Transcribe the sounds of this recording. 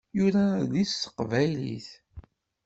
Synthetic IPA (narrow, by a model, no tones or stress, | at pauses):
juɾælisːə̥qvælḭθ